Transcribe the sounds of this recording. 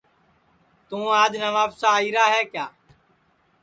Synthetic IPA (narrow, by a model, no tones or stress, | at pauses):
t̪ũːaːd͡ʒnəʋaːfsaːiːɾaːɦɛːkjaː